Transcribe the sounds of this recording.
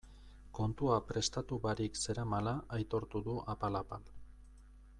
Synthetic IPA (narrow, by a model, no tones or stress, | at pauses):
ko̞nt̪uapɾe̞st̪at̪uβaɾikse̞ɾamalaʔːjt̪o̞ɾt̪uðuʔapalapal